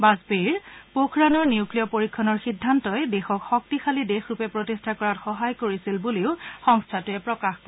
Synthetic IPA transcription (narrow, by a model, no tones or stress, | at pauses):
bazbeɹpokʰɹanɔɹniuklijɔpoɹikʰːɔnɔɹxidʱːantɔjdɛxɔkxɔk̚tixʰalidexɹupɛpɹotistʰakɔɹatxɔɦajkoɹisilbuleʊxɔŋstʰatʊɛpɹɔkaxp